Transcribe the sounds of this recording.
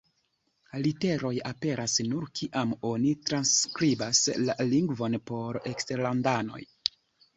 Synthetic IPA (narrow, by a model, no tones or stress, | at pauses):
lite̞ɾo̞jape̞ɾasnuɾkʰiʔamo̞nitɾanskɾibaslaliŋɡvo̞npo̞ɾekste̞ɾlandano̞̰j